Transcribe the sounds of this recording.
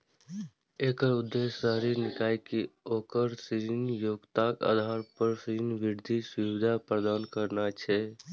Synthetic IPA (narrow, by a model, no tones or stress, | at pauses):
eːkəɾʊd̪ːeːsəɦɾinɪkaːikioːkəɾsɾinjoːɡt̪aːka̰d̪ʱaːɾpəɾsiɾinʋɪɾd̪ʱiswiʋwɪd̪ʱapɾəd̪aːnkəɾnat͡ʃʰɛ